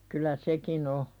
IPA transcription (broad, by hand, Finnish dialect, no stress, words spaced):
kylˑæ sekin o